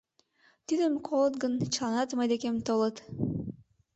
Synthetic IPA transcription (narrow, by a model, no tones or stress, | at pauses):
t̪ynømkʰolˠd̪̚ɡɯnt͡ʃlˠanɑt̪majd̪ekemt̪olˠɯt̪